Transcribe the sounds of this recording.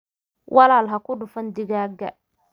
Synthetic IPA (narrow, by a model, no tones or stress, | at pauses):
wʔɑlaːlɦɐkʰʊɖʊfɐnd̪ɪɣaːɡɐ̰